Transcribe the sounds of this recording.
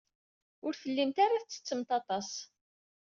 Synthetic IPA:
ʊɾfəlːimt̪aɾaθt͡sːə̥t͡sːəmt̪ɑt̪ˤɑs

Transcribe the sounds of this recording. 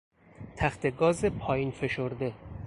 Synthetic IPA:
t̪ʰæxt̪ʰe̞ɡɒːzepʰɒːjiːnfe̞ʃoɾd̪e̞

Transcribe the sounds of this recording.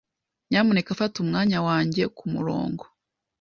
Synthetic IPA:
ɲaːmone̞kafatumŋaːɲawaːɲɟe̞kumṵɾo̰ːŋɡo

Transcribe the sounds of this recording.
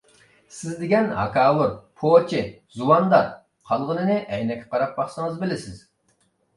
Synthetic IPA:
sɪzd̪ɪɡʲɛnɦɑ̰kʰɑːlˠuɾpʰoːt͡ʃʰɪzuwɑnd̪ɑɾ | qʰɑlˠʁənɨnɨʔɛjnɛkʲʰːɛ̥qʰɑɾɑp̚bɑχsɨŋəzbɪlɪsɪz̥

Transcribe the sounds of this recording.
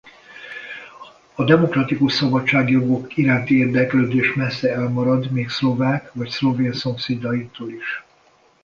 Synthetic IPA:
ɒd̪ɛmo̞krɒt̪ikuʃsɒbɒtt͡ʃːaːɡjo̞ɡo̞kiɾaːnt̪ieːrd̪ɛkløːd̪eːʃmɛsːɛɛlmɒɾɒd̪meːkslo̞vaːkʋɒcslo̞veːnso̞mseːd̪ɒjit̪oːliʃ

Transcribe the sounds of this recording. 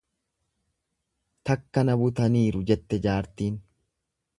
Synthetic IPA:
t̪ɐkːɐnɐbʊt̪ɐniːɾʊd͡ʒɛt̪ːɛd͡ʒaːɾt̪iːn

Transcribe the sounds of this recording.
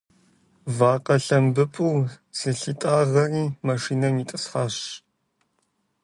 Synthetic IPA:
vaːqʼɐɬɐmbɨpʷʼuw | sɨɬitʼaːʁɐriːmaʂiːnɐmiːtʼɨsχaːɕ

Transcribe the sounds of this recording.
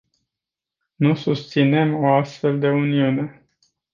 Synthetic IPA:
nusust̪sine̞moast̪fe̞ld̪e̞uniune̞

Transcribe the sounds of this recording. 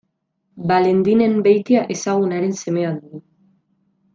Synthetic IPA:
bale̞nd̪ine̞mbejt̪iaʔe̞saɣ̞unaɾe̞nse̞me̞aðd̪uɣu

